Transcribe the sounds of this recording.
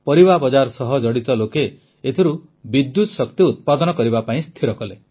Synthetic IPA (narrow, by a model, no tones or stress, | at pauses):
pɔɾibabɔd͡ʒaɾɔsɔɦɔd͡ʒɔɽit̪ɔlokeː | t̪ʰiɾu | bid̪ːut̪sɔkt̪iut̪̚pad̪ɔnɔkɔɾiβapaĩst̪ʰiɾɔkɔle